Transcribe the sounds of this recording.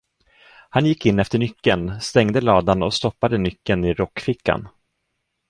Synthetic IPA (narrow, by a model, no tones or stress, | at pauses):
hanjɪkːɪnːɛft̪əɳʏkːənst̪ɛŋd̪əlɑːd̪anɔst̪ɔpːad̪ənʏkːənɪɾɔkːfɪkʰːa̰n